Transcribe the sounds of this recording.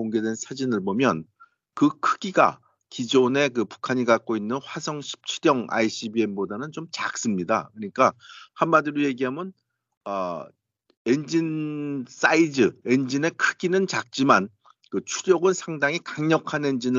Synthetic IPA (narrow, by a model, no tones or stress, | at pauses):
oŋɡe̞dwensʰad͡ʑinɯɭbomjʌn | kɯkʰɯɡiɡa̰ | kid͡ʑone̞kɯpu̥kʰaɲikak̚k͈oinːɯnɸwasʰʌŋɕʰi̥p̚t͡ɕʰuɾjʌŋa̰iɕ͈ʰibie̞mbodanɯnt͡ɕomt͡ɕak̚s͈ɯmɲidakɯɲik͈ahanmadɯɾoje̞ɡiɦamjʌn | ʌ | e̞nd͡ʑins͈aid͡ʑɯe̞nd͡ʑine̞kʰɯɡ̥inɯnt͡ɕak̚t͡ɕ͈iman | kɯt͡ɕʰuɾjʌɡɯnsʰaŋdaŋikaŋɲʌkʰane̞nd͡ʑinɯ